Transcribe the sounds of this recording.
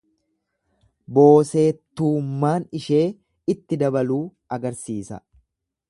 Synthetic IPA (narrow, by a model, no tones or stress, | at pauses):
bo̞ːse̞ːt̪ːuːmːaːnɪʃe̞ː | ɪt̪ːɪd̪ɐbɐluːʔɐɡɐɾsiːsɐ̰